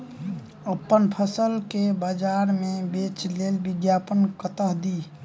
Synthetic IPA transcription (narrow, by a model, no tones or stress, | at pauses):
əpːənpʰəsəlkebəd͡ʒaɾmẽbet͡ʃlelbɪɡjapənkət̪əɦd̪i